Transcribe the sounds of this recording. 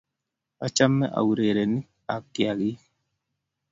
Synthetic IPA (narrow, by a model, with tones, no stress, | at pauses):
a˨t͡ʃa˦mːɛ̰˦ʔa̰˨u˨ɾe˨ɾe˨ni˦ | a˨kːja˨ɡi˦